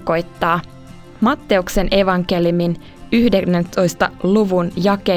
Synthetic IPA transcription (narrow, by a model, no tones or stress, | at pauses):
ko̞jt̪ːɑː | mɑt̪ːe̞ukse̞nʔe̞ʋɑŋke̞ljumin | yhdenent̪o̞jst̪ɑ̰luʋunjɑke